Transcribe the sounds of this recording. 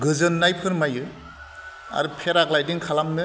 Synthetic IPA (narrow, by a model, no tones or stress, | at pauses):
ɡɯzɯnːajpʰɯɾmajɯ | a̰ɾɯpʰeɾaklajdiŋkʰalamnɯ